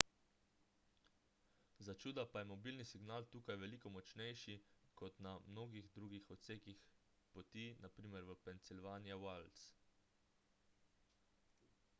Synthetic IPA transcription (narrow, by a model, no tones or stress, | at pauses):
zat͡ʃuːd̪apajɛmɔbiːlnisiɡnaːlt̪uːkajʋɛliːkɔmɔt͡ʃnɛjʃikɔt̪namnoːɡiɣd̪ɾuːɡixɔt̪seːkix | pɔt̪inapɾiːmɛɾʋəpɛnt̪silʋaːnijɛwals